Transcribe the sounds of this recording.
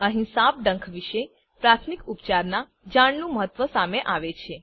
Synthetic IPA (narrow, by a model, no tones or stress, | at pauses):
əɦĩsap̚ɖə̃ŋkʰʋiʃe | pɾat̪ʰmikupt͡ʃaɾna | d͡ʒaɽ̃nũməɦət̪ːʋəsameʔaʋet͡ʃʰe